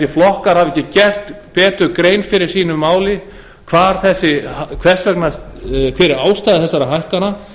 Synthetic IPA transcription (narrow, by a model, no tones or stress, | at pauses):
sjɪflɔhkaɾ̥havɛcɪcɛr̥t̪pɛːt̪ʏkɾeːjnfɪɾɪɾ̥siːnʏmːaːwlɪ | kʰvaːɾ̥θɛsːɪhkʰvɛ̥t̪lœknakʰfɪɾɪɾaːwst̪aːðɪθɛsːaɾaɦajhkana